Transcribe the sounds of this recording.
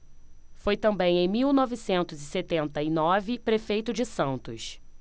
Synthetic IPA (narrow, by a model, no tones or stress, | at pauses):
fojt̪ɐ̃mbẽj̃ẽj̃miwnɔvisẽnt̪ʊzɪset̪ẽnt̪ɐinɔvɪpɾefejt̪ʊd͡ʒɪsɐ̃nt̪ʊs